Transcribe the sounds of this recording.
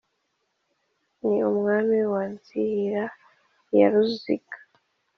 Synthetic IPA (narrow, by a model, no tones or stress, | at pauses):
niumŋaːmiwaːnsiiɾa | ja̰ɾuzḭkḁ